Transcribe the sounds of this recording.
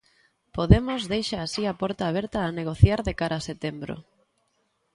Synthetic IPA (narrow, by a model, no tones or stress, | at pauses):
poðemozðejʃaːsiapɔɾt̪aːβ̞ɛɾt̪aːneɣ̞oθjaɾðekaɾaːset̪embɾo̰